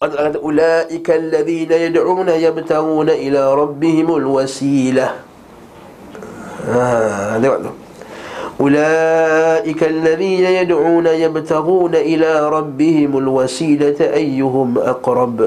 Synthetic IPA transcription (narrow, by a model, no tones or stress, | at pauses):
kɑt̪laɡataʔʊlaːʔɪkalːaðiːnajadʕuːnajabt̪aɣuːnaʔɪlaːɾˤɑbːɪhɪmalwasiːla | aːdwa̰d | ʔʊlaːʔɪkalːaðiːnajadʕuːnajabt̪aɣuːnaʔɪlaːɾˤɑbːɪhɪmalwasiːlatʔajːʊɦʊmʔɑ̰qɾˤɑb